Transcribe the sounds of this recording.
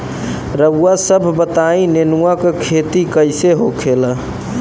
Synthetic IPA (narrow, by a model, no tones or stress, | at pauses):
ɾəɡuwasəbʱbət̪aĩnenuakekʰet̪ikəjseɦokʰelə